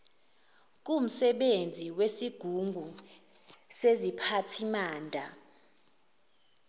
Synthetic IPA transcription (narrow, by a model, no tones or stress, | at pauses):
k̬um̩sɛɓend͡zʱiwesiɡ̥ʱuŋɡʱu | sezipʰatʰimaːndʱa